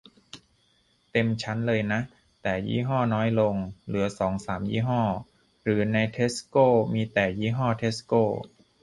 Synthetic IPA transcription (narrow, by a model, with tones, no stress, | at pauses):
t̪e˧mt͡ɕʰa˦˥nlɤː˧jna˦˥ʔ | t̪ɛː˨˩jḭː˥˩ɦɔː˥˩nɔː˦˥jlo˧ŋlɯ˩˦ɐsɔː˩˦ŋsaː˩˦mjḭː˥˩ɦɔː˥˩ | ɾɯː˩˦na˧jt̪ʰeː˦˥skoː˥˩miː˧t̪ɛː˨˩jiː˥˩ɦɔː˥˩t̪ʰe˦˥skoː˥˩